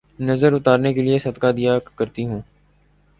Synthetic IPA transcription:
nɐzəɾʊt̪aːɾnekeliesɐd̪kad̪ijakɐɾt̪iɦũː

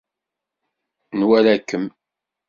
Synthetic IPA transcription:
nwælækːəm

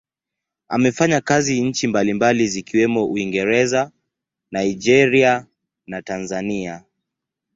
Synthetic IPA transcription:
a̰mɛfaɲakaziɲ̩t͡ʃimbalimbalizikiwɛmɔʔuiŋɡɛɾɛza | naid͡ʒɛɾia | natanzania

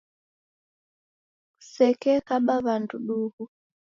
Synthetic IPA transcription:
sɛkɛkaɓaβanduɗuhu

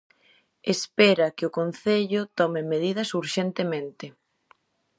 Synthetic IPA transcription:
espɛɾɐkɪʊkon̟θeʎʊt̪ɔmɪmeðiðɐsuɾʃent̪emẽnt̪ɪ

